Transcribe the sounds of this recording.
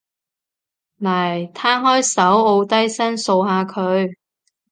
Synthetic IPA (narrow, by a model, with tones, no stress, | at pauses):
naː˨˩jt̪ʰaː˥hɔː˥jsɐ˨˥wo˧wt̪ɐ˥jsɐ˥nso˧wɦaː˧kʰɵ˨˧ɥ